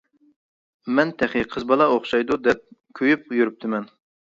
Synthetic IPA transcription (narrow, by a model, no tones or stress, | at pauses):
mɛnt̪ʰæχiqʰəzbɑlˠɑoχʃɑjd̪ud̪ɛp̚kʲʰøjyp̚jyɾyp̚t̪ʰɪmɛn